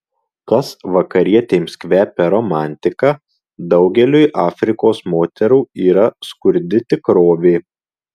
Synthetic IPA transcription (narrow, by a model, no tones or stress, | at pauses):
kɐsʋɐkɐɾʲiɛt̪ʲeːmskʲʋʲæːpʲɛɾɔmɑːˑnʲt̪ʲɪkɑː | d̪ɒʊɡʲɛlʲujʔɑːfʲɾʲɪkoːsmoːt̪ʲɛɾuːiːɾɐskʊɾʲd̪ʲɪt̪ʲɪkɾoːʋʲeː